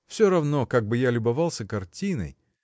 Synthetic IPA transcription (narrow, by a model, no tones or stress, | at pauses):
fsʲoɾɐvnokaɡ̚bɨjalʲʊbɐvɑlˠsʲəkɐrtʲinə̰j